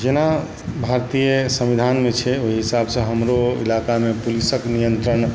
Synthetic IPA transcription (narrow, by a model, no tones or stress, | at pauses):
d͡ʒena | bʱaɾt̪ijəsə̃mʋid̪ʱanmet͡ʃʰɛoɦiɦisabsə̃ɦəmɾoḭlakamepulisəknijənt̪ɾən